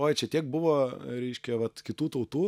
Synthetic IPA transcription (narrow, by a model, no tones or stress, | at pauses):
oːjt͡ʃʲɛt̪ʲiɛk̚bʊʋoːɾʲɛɪʃʲkʲɛʋɐt̪kʲɪt̪uːt̪ɐʊt̪uː